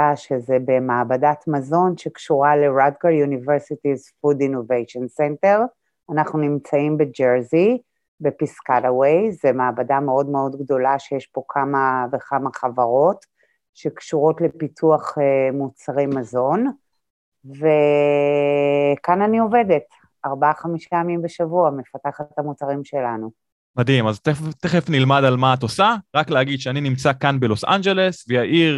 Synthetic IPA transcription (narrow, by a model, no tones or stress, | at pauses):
aʃezebemaːbadatmazo̞nʃekʃuʁale̞ʁadɡajuniveʁsitizfudinovejʃonsente̞ʁ | anaχnunimt͡saimbe̞d͡ʒeʁzi | bepiskalawejzemaːbadame̞o̞dmeo̞dɡdo̞laʃejeʃpo̞kʰamavekamaχavaʁo̞t | ʃe̞kʃuʁo̞tle̞pitʰuaχemut͡saʁejmazo̞n | ve | kananio̞ve̞de̞t | aʁbaaχamiʃpajamimbeʃavuame̞fataχathamut͡saʁimʃe̞lanu | madimaztefteχefnilmadalmaːtosaʁakleaɡid̥ʃeaninimt͡sakanbelo̞sa̰nd͡ʒele̞svejaʔiʁ